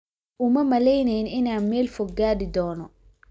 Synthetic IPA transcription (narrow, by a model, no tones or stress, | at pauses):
ʔʊmɐmɐlɛjnɛjnɪnaːnmɛːlfɔɡːaːdɪd̪ɔːnɔ